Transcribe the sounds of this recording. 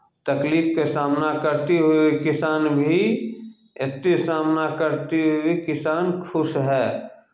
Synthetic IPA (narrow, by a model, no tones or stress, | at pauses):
t̪ɐkliːfkesaːmnakəɾt̪eɦuekɪsaːnbʱi | ɪt̪ːesaːmnakəɾt̪eɦʊekɪsaːnkʰʊʃɦɛː